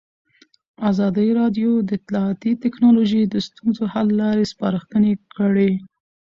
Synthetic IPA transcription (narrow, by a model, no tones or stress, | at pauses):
azɑd̪əɾɑdjod̪əɪt̪lɑat̪it̪ɪknɑloʒid̪əst̪unzohalːɑɾespɑɾəxt̪ənekʰəɽe